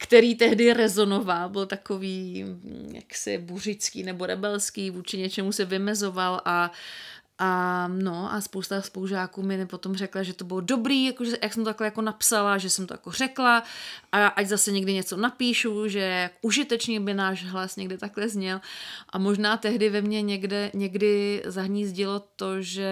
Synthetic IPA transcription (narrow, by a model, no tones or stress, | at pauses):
kt̪ɛɾiːt̪ɛɦdɪɾɛzo̞novalbɪlt̪akoviː | ja̰ksɪ̰bur̝ɪt͡skiːnɛbo̞ɾɛbɛlskiːvuːt͡ʃɪɲɛt͡ʃɛmusɛvɪmɛzo̞valʔa | ʔano̞ʔaspo̞wst̪aspowʒaːkuːmɪnɪpo̞t̪o̞mrɛklaʒɛt̪obɪlodo̞bɾiːjakoʒɛjaksɛmt̪ot̪aklɛjako̞napsalaʒɛsɛmt̪oja̰ko̞r̝̥ɛklaʔaʔaczasɛɲɛɡdɪɲɛt͡sonapiːʃuʒɛakoʔuʒɪt̪ɛt͡ʃɲɛbɪnaːʒɦlasɲɛɡdɪt̪aklɛzɲɛlʔamo̞ʒnaːt̪ɛɦdɪvɛmɲɛɲɛɡdɛɲɛɡdɪzaɦɲiːzɟɪlo̞t̪o̞ʒɛ